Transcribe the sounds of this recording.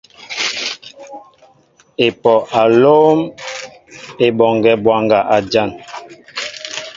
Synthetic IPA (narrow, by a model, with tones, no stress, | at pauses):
e˨pɔ˨ʔa˨lo˦m | e˨ɓɔ˨ŋɡɛ˦˨bwa˨ŋɡa˨ʔa˨d͡ʒa˦˨n